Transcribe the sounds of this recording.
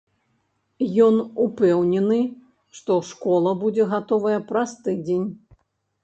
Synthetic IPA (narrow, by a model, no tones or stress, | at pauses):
jɔnupɛwnʲɛnɨ | ʂt̪ɔʂkɔlˠɐbud͡zʲɛɣat̪ɔvɐjɐpɾɐst̪ɨd͡zʲenʲ